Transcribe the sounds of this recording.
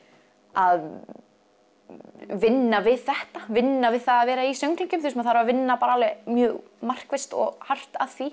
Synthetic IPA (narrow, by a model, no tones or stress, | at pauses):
að | vɪnːavɪðθɛht̪avɪnːavɪðθaðaːðvɛːɾaisœŋklɪŋcʏmθisɛmaðθaɾvavɪnːapaːɾalvɛmjœːɣ | mar̥kvɛst̪ɔ̰ɣhar̥t̪a̰ðθvi